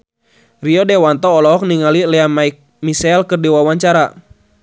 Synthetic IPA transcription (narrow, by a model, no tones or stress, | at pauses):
riɔdɛwant̪ɔːlɔɔk̚niŋalilɛamaik̚ | misɛlkɨrdiwawaɲt͡ʃaɾa